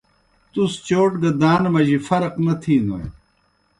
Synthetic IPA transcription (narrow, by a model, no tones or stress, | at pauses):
t̪ust͡ɕoːʈɡɐd̪aːnmɐʑifɐɾqnɐt̪ʰiːno̰j